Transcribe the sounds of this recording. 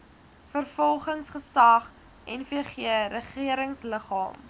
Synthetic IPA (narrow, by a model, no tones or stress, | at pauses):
fərfɔlˠχəŋsχəsɐχ | ɛnfiəχiəɾəχiəɾəŋsləχɑ̰ːm